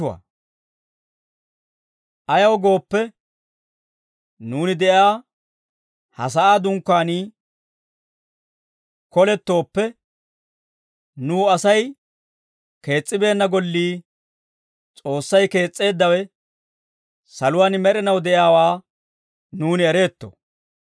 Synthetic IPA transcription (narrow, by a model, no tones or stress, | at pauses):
ʊa̰ː | ʔɐjɐwɡo̞ːpːɛ | nuːnɪd̪ɛʔjaː | hɐ̰s̬ɐʔaːd̪ʊŋkːaːniː | kɔlɛt̪ːo̞ːpːɛ | nuːɐsɐj | ke̞ːt͡sʼːɪbe̞ːnːɐɡɔlːiː | t͡sʼo̞ːsːɐjke̞ːt͡sʼːe̞ːd̪ːɐwɛ | sɐlʊwaːnmɛɾɛnɐwd̪ɛʔɪjaːwaː | nuːnɪɛɾe̞ːt̪ːɔ̰